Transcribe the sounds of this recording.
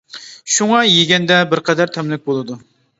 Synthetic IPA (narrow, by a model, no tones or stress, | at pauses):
ʃuŋɑjeɡʲɛnd̪ɛbɪɾqʰɛd̪ɛɾt̪ʰɛmlɪk̚ʲbolˠɨd̪u